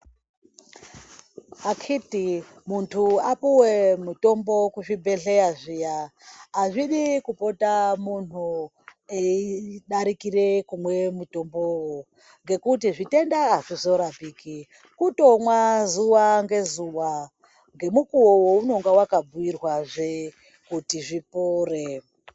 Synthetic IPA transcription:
akʰiti | muntʰuapuwemuto̞mbo̞kuʐibʱe̞ɬe̞jaʐijaː | ʐiɗikupo̞tamun̤u | eiɗaɾikire̞kumwe̞muto̞mbowo | ŋɡe̞kutiʐite̞ndaɦaʐizo̞ɾabiːki | kuto̞mwazuwaŋɡe̞zuwa | ŋɡe̞mukuwowouno̞ŋɡawakabuwirwaʐe | kutiʐipoːre

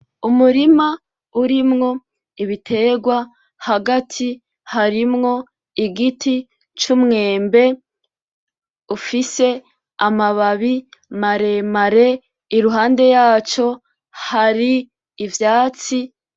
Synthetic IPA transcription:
umuɾima | uɾimŋo̞ | iβitʰe̞ɡwa | haɡatʰi | haɾimŋo̞ | iɡitʰi | t͡ʃumŋe̞ːmbe̞ | ufise̞ | amaβaβimaɾe̞maɾe̞ | iɾuɦaːnde̞jaːt͡ʃo̞ | haɾiː | vjaːt͡si

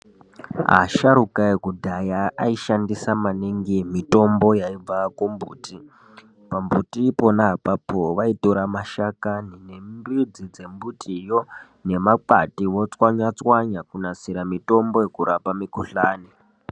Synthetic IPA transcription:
ɦa̰ʃaɾukaekudʱajaaiʃandisamaniŋɡemito̞mbo̞jaib͡vakombṵːtʰi | pambutipo̞naɦapapʰoʋaitoɾamaʃakaninembid͡zid͡ze̞mbutʰijo | ne̞maǃa̰tiʋo̞t͡swaɲat͡swaɲakunasiɾamito̞mbo̞jekuɾapamikuɬaːni

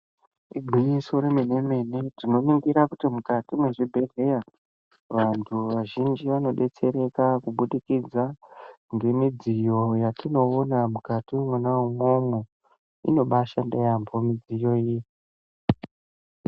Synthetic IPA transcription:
iɡʱiɲiso̞ɾemene̞me̞ne̞dino̞niŋɡiɾakutimukatimwe̞ʐibʱe̞re̞ja | ʋantʰuʋaʒind͡ʒiʋano̞ɗe̞t͡se̞ɾe̞kakuɓuɗikid͡za | ŋɡe̞mid͡zijo̞jatino̞ːnamukatiemwanaumomwe | ḭno̞ɓaʃandejambo̞mid͡zijo̞ji

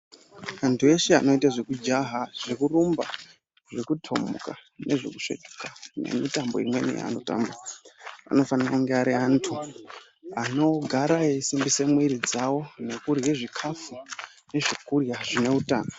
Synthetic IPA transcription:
antʰue̞ʃea̰no̞itaʐekud͡ʒaɦaʐ̥ekurumba̰ | ʐekutʰo̞̰mṵkaneʐekuʂḛt͡ʃekane̞̰mitambo̞imwe̞̰nḭja̰a̰no̞ta̰ːmbaa̰no̞faniraŋɡeaɾiantʰu | ano̞ɡʱaɾaeisimbisemwiɾid͡zawo̞ne̞kurje̞ʐikʰafu | ne̞ʐikurjaʐine̞uta̰ːna

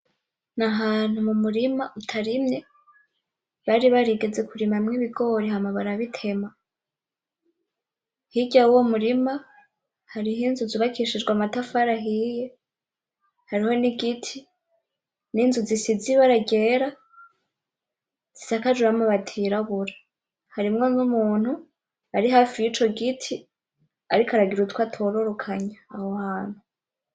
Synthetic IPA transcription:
naɦaːn̥humumuɾimautʰaɾimɲe̞ | βaɾiβaɾiɡe̞d͡ze̞kuɾimamŋiβiɡo̞ɾihamaβaɾaβitʰe̞ma | hiɟauwomuɾima | haɾiɦinzuzuβakʰiʃid͡ʒɡwamatafaɾaɦije | haɾiho̞niɡitʰi | niːnzuzisiziβaɾaɡe̞ːɾa | z̥isakad͡ʒuɾamuβatʰiɾaβuɾa | haɾimŋo̞numuːn̥hu | aɾiɦaːfijit͡ʃo̞ɡitʰi | aɾikaɾaɡiɾutwatʰoɾoɾokʰaɲaːwohaːn̥u

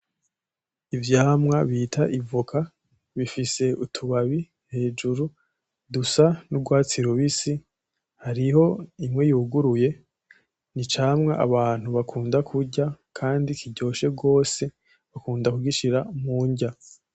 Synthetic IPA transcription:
ivjaːmŋaβiːtʰaʔivokʰa | βifise̞utʰuβaβi | he̞ːd͡ʒuɾu | dusanubɡwaːt͡siɾuβisi | haɾiho̞imŋejuːɡuɾuje̞ | nit͡ʃaːmŋaʔa̰βaːn̥huβakʰuːndakʰuɟakʰaːndikiɟo̞ːʃe̞ɡo̞ːse̞ | βakuːndakuɡiʃiɾamuːɲɟa

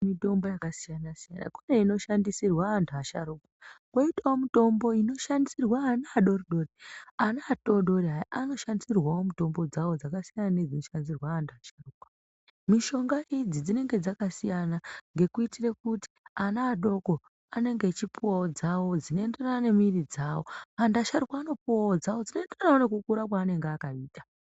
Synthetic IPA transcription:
mito̞mbojakasijanasija̰na̰kune̞ino̞ʃandisirwaːntʰuaʃaɾuːkwakwoitaomito̞mbo̞ino̞ʃandisirwaːnaːɗo̞riɗo̞rianaːto̞ɗo̞ɾeɦaano̞ʃandisirwawo̞muto̞mbo̞d͡zawo̞d͡zakasijananed͡zinoʃanizirwaːntʰuaʃaruːkwa | miʃo̞ŋɡaʔid͡zid͡zine̞ŋɡe̞d͡zakasijanaŋɡe̞kuitirekuti̥anaːɗo̞ko̞ | ane̞ŋɡet͡ʃipuwaod͡zawo̞d͡zino̞e̞nderanane̞mirid͡zaːwo̞andaʃaɾukwaːno̞puwaod͡zawo̞d͡zino̞enderanaone̞k̬ukuɾakwaːne̞ŋɡeakaiːta

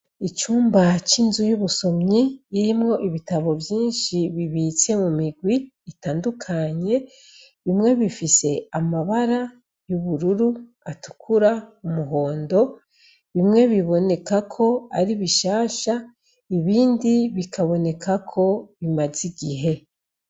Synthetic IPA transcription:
it͡ʃuːmbat͡ʃinzujuβuso̞mɲiːɾimŋo̞ʔiβitaβo̞vjiːnʃiβiβit͡se̞mumiɡwiː | taːndukʰaɲe̞ | βimŋe̞βifise̞amaβaɾa | juβuɾuɾu | atu̥kʰuɾaumuɦo̞ːndo̞ | βimŋe̞βiβo̞ne̞kakʰo̞aɾiβiʃaːʃa | iβiːndiβikʰaβo̞ne̞kakʰo̞βimaziɡiɦe̞

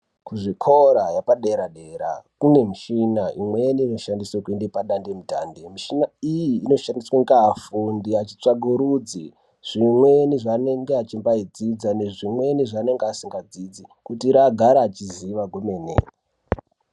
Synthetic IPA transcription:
kuʐikʰoɾajapaɗeɾaɗe̞ɾa̰kune̞muʃinaʔimwenino̞ʃandisokwindipaɗandemuta̰ndemiʃinaijiːno̞ʃandiswaŋɡafundiat͡ʃi̥t͡ʂaɡʱuɾud͡zi | ʐ̥imweniʐaːne̞ŋɡeat͡ʃimbaid͡zid͡zane̞ʐimwe̞niʐane̞ŋɡeasiŋɡad͡zid͡zikutiɾaɡʱaɾaːt͡ʃiziʋaɡʱome̞ːnḛ

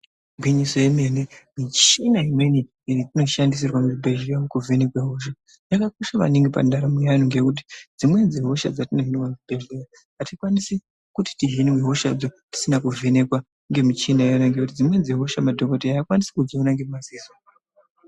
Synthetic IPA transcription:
bʱwiɲisojeme̞nemit͡ʃinaimwe̞ni | iɾitino̞ʃandis̬irwamuubʱe̞ʒijamukuvenekweɦo̞ʃ̬a | jakakoʃaʋa̰neŋɡipa̰ndʱaɾamejanoŋɡe̞kut̬i̥d͡zimwe̞d͡zeɦo̞ʃa̰d͡zatineɦiniwamubʱeʒea | ɦatikwanisi | kuti̥tiɦiniweɦo̞ʃad͡zoti̥sinakuvʱene̞kwa | ŋɡe̞mit͡ʃinaanaŋɡekutid͡zimwe̞d͡zeɦo̞ʃamadʱokotiaikwanisi̥kud͡ʒiunaŋɡemaziso

